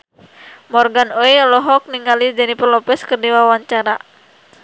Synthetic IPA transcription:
mɔrɡanoilɔɦɔk̚niŋalid͡ʒɛnipərlɔpɛskərdiwawaɲt͡ʃaɾa

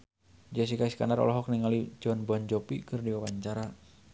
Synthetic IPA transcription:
d͡ʒas̬ikaiska̰naɾɔ̰lɔɦɔk̚niŋalid͡ʒɔnbɔnd͡ʒɔpikərdiwawaɲt͡ʃaɾa

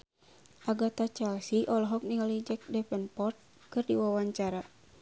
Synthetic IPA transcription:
ʔaɡat̪at͡ʃɛlsiʔɔlɔɦɔk̚niŋalid͡ʒɛk̚dɛpɛnpɔrt̪̚ | kɨrdiwawaɲt͡ʃaɾa

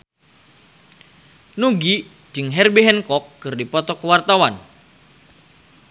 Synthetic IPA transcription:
nuɡi̥ | d͡ʒɨŋɦɛrbiɦɛnkɔkːɨrdipɔt̪ɔkəwart̪awan

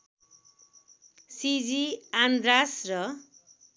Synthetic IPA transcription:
sid͡ziand̪ɾasrʌ

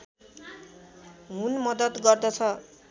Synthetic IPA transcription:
ɦunmʌd̪ʌt̪ɡʌrd̪ʌt͡sʰʌ

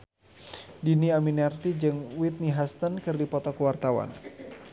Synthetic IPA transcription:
diniaminɛrt̪id͡ʒɨŋwit̪̚niɦast̪ənkɨrdipɔt̪ɔkəwart̪awa̰n

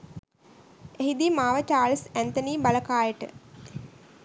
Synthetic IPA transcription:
eɦid̪imaːʋət͡ʃaːlsænt̪oniːbaləkaːjəʈə̰

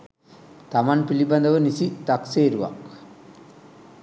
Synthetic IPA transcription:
t̪ɐmɐnpilibɐnd̪ɐʋɐnisit̪ɐkseiɾuʋa̰k

